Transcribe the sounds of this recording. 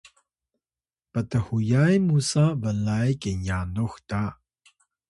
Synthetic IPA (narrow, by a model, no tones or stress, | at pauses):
pət̪əhujajmusabəlajkenjanuxta